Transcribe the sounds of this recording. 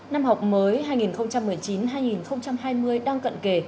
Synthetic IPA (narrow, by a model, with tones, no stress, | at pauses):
na˧mɦa˨˩wk͡p̚məː˨˦jɦaː˧jŋi˨˩nxə˧wŋ͡mt͡ɕa˧mːɨ˨˩əjt͡ɕi˨˦nɦaː˧jŋi˨˩nxə˧wŋ͡mt͡ɕa˧mɦaː˧jmɨ˧əjɗaː˧ŋkə̰˧˨nke˧˩